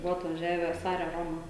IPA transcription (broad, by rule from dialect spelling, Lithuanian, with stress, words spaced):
ˈbʊʋoː ɐtʋɐˈʒʲæːʋʲæː ˈsɑːrʲɛ ˈroːmɐ